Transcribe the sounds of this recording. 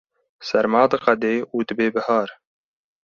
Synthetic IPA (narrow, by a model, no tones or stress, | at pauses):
sɛɾmɑːt̪ɨqɑd̪eːuːd̪ɨbeːbɨhɑːɾ